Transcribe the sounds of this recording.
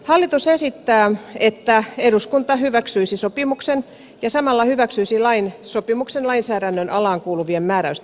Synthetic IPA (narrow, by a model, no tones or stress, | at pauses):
hɑlːit̪usesit̪ːæːet̪ːæeɾuskunt̪ɑhyʋæksyisisopimuksen | jɑsɑmɑlːɑhyʋæksyisilɑinsopimuksenlɑinsæːɾænːønɑlɑːŋkuːluʋiemmæːɾæyst̪